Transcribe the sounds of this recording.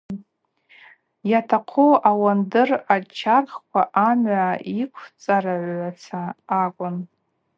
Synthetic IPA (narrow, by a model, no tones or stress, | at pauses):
jatʰaqʷʰoʔawandɨrat͡ʃʰarχkʷʰaʔamʕaʔikʷʰt͡sʼaraʕʷʕat͡sʰaːkʷʼʊn